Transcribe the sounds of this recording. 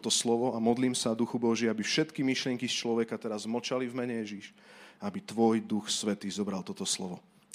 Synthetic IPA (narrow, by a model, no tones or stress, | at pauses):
t̪ɔslɔʋɔamɔd̪liːmsad̪uxubɔʒɛabifʃɛt̪kimiʃlɪɛŋkist͡ʃlɔʋɛkat̪ɛɾazmɔt͡ʃalivmɛɲɛjɛʒiʃ | abit̪ʋɔjd̪uxsʋɛt̪iːzɔbɾalt̪ɔt̪ɔslɔʋɔ